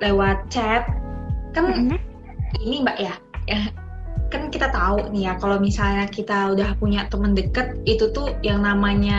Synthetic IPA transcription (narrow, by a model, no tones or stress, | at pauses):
lewat̪̚t͡ʃɛt̪̚kan | inimbaʔja | ja | kankit̪at̪aunijakalomisalɲakit̪audahpuɲaʔt̪əməndəkət̪̚it̪ut̪ujaŋnamaɲa